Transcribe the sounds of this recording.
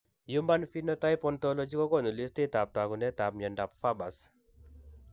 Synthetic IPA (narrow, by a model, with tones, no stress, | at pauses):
ju˦mba˦nfi˦nɔ˦ta˦jpɔnt̪ɔlɔ˦d͡ʒi˦kɔ˦kɔ˦˨nu˨li˦st̪e˦t̪a˨p̚t̪a˨ku˨nɛ˦t̪a˨p̚ɲɛ˨nda˨pfa˦ba˨s